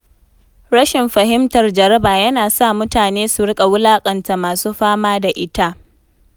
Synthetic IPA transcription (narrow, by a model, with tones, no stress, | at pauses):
ɽɐ˦ʃɪ˨mɸɐ˨ɦɪ˦mtɐ˨rd͡ʒɐ˨ɾɐ˦baː˨jɐ˦naː˨sa˦˨mʊ˦taː˨neː˦su˨ɽɪ˦kʼa˨wʊ˦laː˦kʼɐ˨nta˨maː˨suː˦ɸaː˦maː˦da˨ʔɪ˦ta˦ʔ